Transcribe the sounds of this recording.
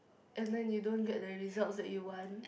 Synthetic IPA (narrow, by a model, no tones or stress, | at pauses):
ʔɛ̃nðɛ̃njudõnɡɛʔ̚ðəɹizalˠtsðɛʔjuwɔ̃n